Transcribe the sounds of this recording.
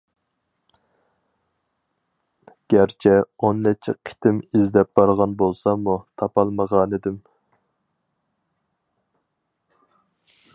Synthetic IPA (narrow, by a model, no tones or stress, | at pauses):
ɡ̥ʲæɾt͡ʃʰɛonːɛt͡ʃʰɛ̰qʰɪ̥t̪ʰɪmizd̪ɛp̚b̥ɑɾʁɑnbolˠsɑmut̪ʰɑpɑlˠməʁɑːnɪd̪ɪm